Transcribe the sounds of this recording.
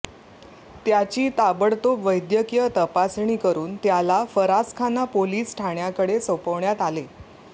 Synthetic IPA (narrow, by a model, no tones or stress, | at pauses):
t̪jat͡ɕiːt̪abəɽt̪opʋəjd̪jəkijət̪əpasɳ̃iːkəɾuːnt̪jalafəɾaskʰanapoliːsʈʰaɳjakəɽesəpəʋɳjat̪ale